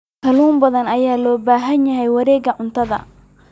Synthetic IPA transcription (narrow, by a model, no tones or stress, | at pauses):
kʰɐluːmbɐðɐnɐjaːlɔːbaːɦɐnjɐɦɛjwɐɾɛːɡɐʕʊnt̪ʰɐðɐ̰